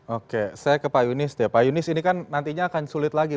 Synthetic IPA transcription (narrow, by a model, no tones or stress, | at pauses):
okesajakəpajunɪst̪pajunɪsinikanːant̪iɲaːkansulɪt̪laɡi